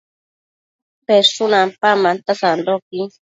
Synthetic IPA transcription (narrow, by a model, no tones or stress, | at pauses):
peɾsonampamant̪asand̪oki